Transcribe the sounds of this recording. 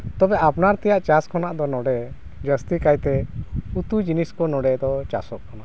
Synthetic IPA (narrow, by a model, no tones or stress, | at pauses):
t̪ɔbɛapnaɾt̪ɛjaʔt͡ʃaskʰɔnaʔd̪ɔnɔɖɛ | d͡ʒəst̪ikajt̪ɛut̪ud͡ʒiniskɔnɔɖɛd̪ɔt͡ʃa̰sɔʔkana